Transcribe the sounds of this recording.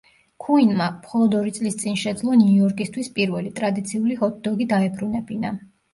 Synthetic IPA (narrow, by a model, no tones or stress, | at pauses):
kʰuinmamχɔlˠɔd̪ɔɾit̪sʼlist̪sʼinʃɛd̪zlˠɔniuuɔɾkʼist̪ʰwispʼiɾvɛlit̪ʼɾad̪it̪sʰiuliɔt̪̚ʰd̪ɔɡid̪aɛbɾunɛbina